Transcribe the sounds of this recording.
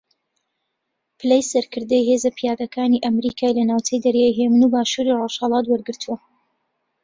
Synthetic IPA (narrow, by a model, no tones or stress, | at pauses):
pʰɨlejsɐɾkʰɨɾd̪ɐjɦeːzɐpʰijaːd̪ɐkʰaːniʔɐmɾikʰaːjlɐnaːwt͡ʃɐjd̪ɐɾjaːjɦeːmɨnubaːʃuɾiroʃhɐlˠɑːt̪wɐɾɡɨɾt̪ʰuwɐ